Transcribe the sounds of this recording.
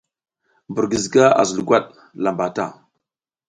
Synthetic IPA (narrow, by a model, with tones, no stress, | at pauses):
bə˨ɾɡə˨zɡa˦a̰˨zə˨lɡʷa˦ɗ | la˨mba˨ta̰˦˨